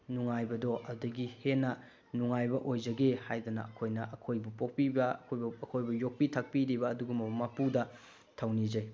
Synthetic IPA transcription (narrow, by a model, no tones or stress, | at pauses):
nuŋajbɐdoʔɐdɐɡihenːɐ | nuŋajbɐʔojd͡ʒɐɡehajdɐnɐ̰ɐkʰojnɐʔɐkʰojbupok̚pibɐɐkʰojbɐɐkʰojbɐjok̚pitʰɐk̚piɾibɐːduɡumɐmɐpudɐ | tʰɐwnid͡ʒɐj